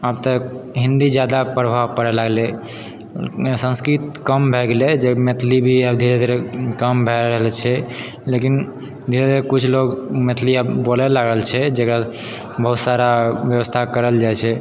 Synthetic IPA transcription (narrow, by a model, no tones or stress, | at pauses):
abt̪əɦĩnd̪id͡ʒjad̪apɾəbʱaʋpəɾɛlaɡlɛ | sə̃nskɾit̪kəmbʱɛɡeled͡ʒemet̪ʰlibʱiabd̪ʱiɾed̪ʱiɾekəmbʱɛɾəɦəlt͡ʃʰɛ | lekin | d̪ʱiɾed̪ʱiɾekut͡ʃʰloɡmet̪ʰliabolɛlaɡəlt͡ʃʰɛd͡ʒekɾa | bəɦut̪saɾabjəwəst̪ʰakəɾəld͡ʒajt͡ʃʰɛ